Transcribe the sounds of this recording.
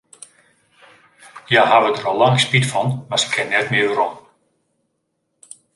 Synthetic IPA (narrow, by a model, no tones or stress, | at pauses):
jaɦaʋədərɔlˠːaŋspitfɔnmasə̥kʰːɛnnɛtmɪərɔn